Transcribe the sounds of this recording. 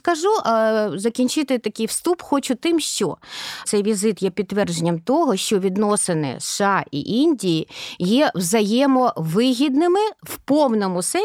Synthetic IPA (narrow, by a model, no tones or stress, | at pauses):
kɐʒuʔzɐkʲinʲt͡ʃɪt̪ɪt̪ɐkʲɪjwst̪upxɔt͡ʃʊt̪ɪmʃt͡ʃɔt̪sɛjʋʲizɪt̪jɛpʲid̪̚t̪ːʋɛrd͡ʒenʲːɐmt̪ɔɦɔʃt͡ʃɔʋʲid̪nɔsɪnɪ̰sɑʔḭʔinʲdʲijijɛwzɐjɛmɔʋɪɦʲid̪nɪmɪwpɔwnɔmʊsɛ